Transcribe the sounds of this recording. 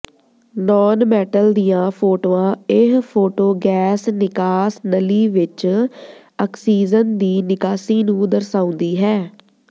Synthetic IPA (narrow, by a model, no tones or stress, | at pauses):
nɔːnmɛːʈəld̪ijãːpʰoːʈoːãːɪɦpʰoːʈoːɡɛːsnɪkaːsnəliːʋɪt͡ʃ | əksiːzənd̪iːnɪkaːsiːnũːd̪əɾsaːʊ̃nd̪iːɦɛː